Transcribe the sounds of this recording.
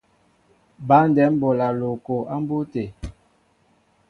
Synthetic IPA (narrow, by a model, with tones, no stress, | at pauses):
ba˦n˨dɛ˨˦m˦bo˨la˨lo˨ko˨a˦m˦bo˦te˨